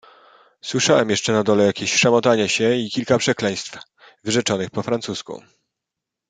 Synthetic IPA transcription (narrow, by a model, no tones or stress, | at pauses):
swɘʂawɛmjɛʂt͡ʂɛnad̪ɔlɛjakʲeɕʂamɔt̪aɲɛɕɛikʲilkapʂɛklɛj̃st̪f | vɘʐɛt͡ʂɔnɘxpɔfɾant̪suskṵ